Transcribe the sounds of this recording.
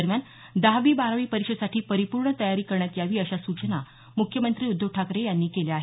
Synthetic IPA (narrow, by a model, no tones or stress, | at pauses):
əɾmjan | d̪aɦʋiːbaɾaʋiːpəɾikɕəd̪saʈʰiːpəɾipuɾɳət̪əjaɾiːkəɾɳjat̪jaʋiːəɕasut͡ɕəna | mukʰːjəmənt̪ɾiːud̪ʱːjoɡ̚ʈʰakɾejanːiːkeleaɦe